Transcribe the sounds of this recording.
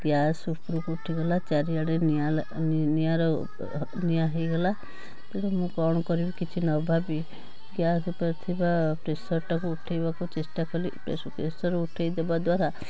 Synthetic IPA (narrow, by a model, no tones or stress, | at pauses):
ɡjasupɾukuʈʰiɡɔlat͡ʃaɾiaɽenia | nijaɾɔ | nijaɦejɡɔla | t̪eɽemũkɔɽ̃ɔkɔɾibikit͡ʃʰinɔbʱabi | ɡjaspɔɾt̪ʰibapɾesɔɾʈɔkuːʈʰejbakut͡ʃesʈakɔɾipɾeskesɔɾuʈʰejd̪ebad̪waɾa